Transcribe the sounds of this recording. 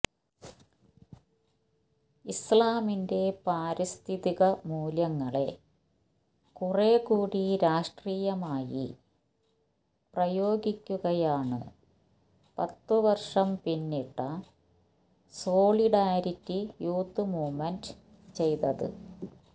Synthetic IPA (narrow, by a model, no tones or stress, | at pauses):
islaːminde̞paːɾist̪ʰiðiɣɐmuːljɐŋːɐɭe̞̰ | kureːkuːɽiɾaːʂʈriːjɐmaːjḭ | prɐjo̞ːɡikʲːuɣɐjaːɳɨ̰ | pɐt̪ːɨʋɐrʂɐmpinːiʈːɐ | so̞ːɭiɖaːɾitːijuːt̪ːɨmuːmend | t͡ɕe̞jt̪ɐðɨ̰